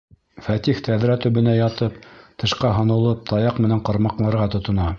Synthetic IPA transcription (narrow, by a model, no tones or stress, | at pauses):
fæt̪ixt̪ʰæðɾæt̪ɵ̆βɘ̆næjɑt̪ɤpt̪ʰɤ̆ʃqɑɦŏnɤ̆lˠɤp̚t̪ʰɑjɑqmɘ̆næɴqɑ̆ɾmɑqlˠɑɾʁɑt̪ŏt̪ŏnɑ